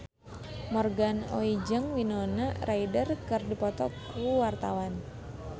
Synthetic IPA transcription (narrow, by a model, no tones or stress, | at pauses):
mɔrɡanoid͡ʒəŋwinonarʔaidərkɨrdipɔt̪ɔk̚wuwart̪awan